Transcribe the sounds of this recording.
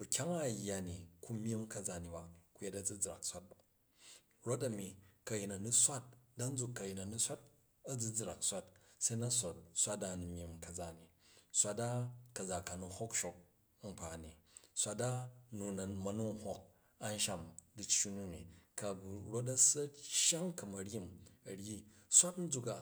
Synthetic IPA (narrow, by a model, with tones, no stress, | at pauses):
bu˨kʲa˦ŋa˦˨jːa˨ni˨ku˦mʲ˦i˦mkɐ˦d͡za˨ni˨ba˨ku˦je˦tɐ˦d͡zɨ˦d͡zɾa̰˨ksʷa˦t̚ba˨ | ɾo˦t̬ɐ˨mi˨kɐ˨ji˨na˨nu˦sʷa˦t̚da˦n̩˦d͡zu˨kːɐ˨ji˨nɐ˨nu˦sʷa˦t̚ | ɐ˦d͡zɨ˦d͡zɾa˨ksʷa˦tse˦na˦sʷa˨t̚sʷa˦ta˦nu˨mʲji˨mkɐ˨d͡za˦˨ni˨sʷa˦ta˦kɐ˨d͡za˨ka˨nu˨ho˦kʃo˨k̚ | m̩˨pa˨ni˨sʷa˦ta˦nu˨na˨mɐ˨nu˦ŋ˦ho˨k̚ | a˦n˦ʃa˦mdi˨t͡ʃːi˦nu˦nḭ˨ka˨ɡu˨ɾo˦t̬a˦sɐ˦ʃa˦ŋkɐ˨mɐ˨ɾʲi˦mɐ˨ɾji˦ | sʷa˦tn̩˦d͡zu˨ka˨